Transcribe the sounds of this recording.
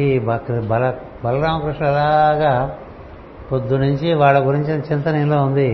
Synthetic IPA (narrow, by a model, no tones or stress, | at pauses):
ibɐkɾbɐlɐ | bɐlɐɾaːmɐkɾuʂɳɐɐlaːɡaː | pod̪ːunuɲt͡ʃiʋaːɭːɐɡuɾiɲt͡ʃinɐt͡ʃint̪ɐninloːund̪i